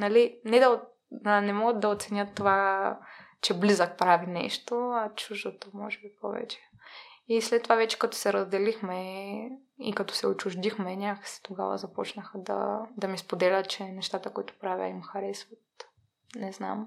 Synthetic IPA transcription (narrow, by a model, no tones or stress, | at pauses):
nɐlinɛd̪ɐo | ɐnɛmɔɡət̪̚d̪ɐot̪sɛnʲjət̪ːova | t͡ʃɛblizək̚pɾavinɛ̰ʃt̪oɐt͡ʃuʒd̪ot̪omɔ̰ʒɛbipɔ̰vɛ̰t͡ʃɛ̥ | islɛt̪ːovavɛt͡ʃɛ̥kɐt̪ɔ̥sɛɾəzd̪ɛlixmɛ | ḭkɐt̪ɔ̥sɛot͡ʃuʒd̪ixmɛnʲaksɛ̥t̪oɡa̰və̰zɐpɔt͡ʃnəxəd̪ɐ̰d̪ɐmispod̪ɛlʲət̪̚t͡ʃɛnɛʃt̪at̪əkoit̪ʊ̥pɾavʲə̰imxɐɾɛsvot̪ | nɛzna̰m